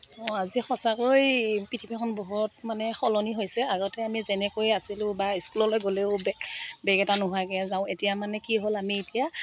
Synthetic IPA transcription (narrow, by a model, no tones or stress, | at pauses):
ɔ̃azixɔsakojpitʰipʰikʰɔnboɦut̚manɛxɔlɔniɦojsɛaɡɔtɛamizɛnɛkojasilʊ̃baiskulɔlojɡoleʊbɛbɛɡɛtanʊɦaɡɛazaʊ̃etijamanɛkiɦolamietija